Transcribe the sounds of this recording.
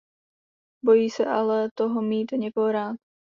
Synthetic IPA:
bo̞jiːsɛʔalɛt̪oɦomiːt̪oɲɛkoɦoɾaːt̪

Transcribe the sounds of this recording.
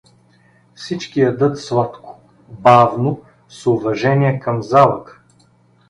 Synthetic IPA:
fsit͡ʃkiɐd̪ɤt̪svˠat̪kʊ̥ | bavno | sʊvɐʒɛniɛkɐmzalˠək

